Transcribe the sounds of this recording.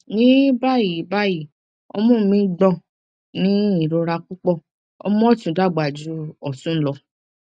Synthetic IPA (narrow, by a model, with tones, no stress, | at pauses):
nĩ˦ba˦˨ji˨˦ba˦˨ji˨ | ɔ̰˧mɔ̃˦˨mĩ˧˦ɡ͡bɔ̃˧˨ | nĩ˦i˦˨ɾo˧ɾa˧kũ˦k͡pɔ˦˨ | ɔ̰˧mɔ̃˦tũ˨da˦˨ɡ͡ba˨d͡ʒu˨˦ɔ˦˨sũ˦lɔ˧